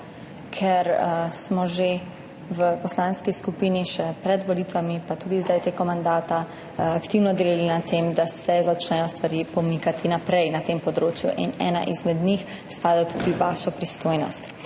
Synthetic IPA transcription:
kʰɛɾsmɔʒe | ʋəpɔslaːnskiskupiːniʃɛpɾɛd̪ʋɔliːt̪ʋamipat̪uːd̪izd̪ajt̪eːɡɔmand̪aːt̪a | akt̪iwnɔd̪eːlalinat̪eːmd̪asɛzat͡ʃnɛjɔst̪ʋaɾipɔmikat̪inapɾɛjnat̪eːmpɔd̪ɾoːt͡ʃjṵʔḭnɛ̰ːna̰ʔizmɛd̪nix | spaːd̪at̪uːd̪iʋaːʃɔpɾist̪oːjnɔ̰st̪

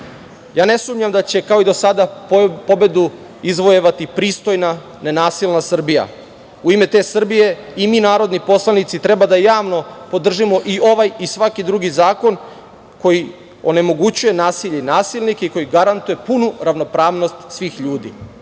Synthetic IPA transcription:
jaːne̞sumɲamd̪at͡ɕe̞kao̞id̪o̞sad̪apo̞be̞d̪u | izʋojeʋat̪ipɾiːst̪o̞jna | nenaːsilnasr̩bija̰ | uime̞t̪e̞ːsr̩bije̞iminaːɾo̞d̪nipo̞slˠanit̪sit̪ɾe̞bad̪ajaːʋno̞po̞d̪r̩ʒimo̞ʔio̞ʋajisʋakid̪ɾuɡizaːko̞n | ko̞ji | o̞̰ne̞mo̞ɡut͡ɕuje̞naːsiʎenaːsilˠnikeiko̞jiɡaɾant̪uje̞punuɾaʋno̞pɾaːʋno̞st̪sʋiːxʎuːd̪ḭ

